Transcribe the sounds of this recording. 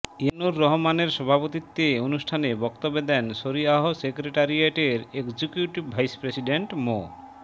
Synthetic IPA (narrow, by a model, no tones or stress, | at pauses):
enuɾːɔɦomaneɾʃɔbʱapot̪it̪ːeonuʃʈʰanebɔkt̪obːed̪ɛnʃoɾiaɦosekɾeʈaɾieʈeɾekd͡ʑikjuʈibbʱajspɾesiɖeɳʈmo